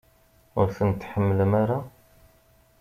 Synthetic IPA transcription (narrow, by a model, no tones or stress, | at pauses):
ʊɾθənt̪ːħəmːəlmaɾa